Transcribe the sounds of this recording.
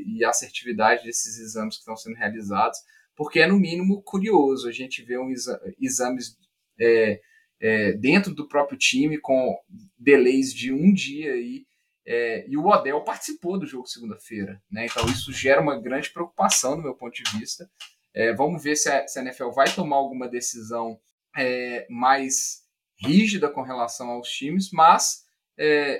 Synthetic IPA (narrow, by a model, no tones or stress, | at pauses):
ɪaseɾt͡ʃivid̪ad͡ʒɪd̪esɪzizɐ̃mɪskɪ̥t̪ɐ̃w̃sẽnd̪ʊhealizad̪ʊs | poɾkeɛnʊmĩnimʊkuɾiozʊɐʒẽt͡ʃɪveũizizɐ̃mɪz | ɛ | ɛd̪ẽnt̪ɾʊd̪ʊpɾɔpɾjʊt͡ʃĩmɪkõ | d̪elejzd͡ʒɪũd͡ʒiɐi | ɛɪʊɔd̪ɛwpaɾt͡ʃɪ̥sipod̪ʊʒoɡʊd͡ʒɪsɪɡũd̪ɐfeɾɐnɛẽnt̪ɐ̃w̃isʊʒɛɾɐũmɐɡɾɐ̃d͡ʒɪpɾeok̚u̥pasɐ̃w̃d̪ʊmewpõnt̪ʊd͡ʒɪvist̪ɐ | ɛvɐ̃mʊveɾsɪɐsɪẽnɛfɛwvajt̪omaɾawɡũmɐd̪esizɐ̃w̃ | ɛmajs | hiʒid̪ɐkõɦelasɐ̃w̃awst͡ʃĩmɪsmɐs | ɛ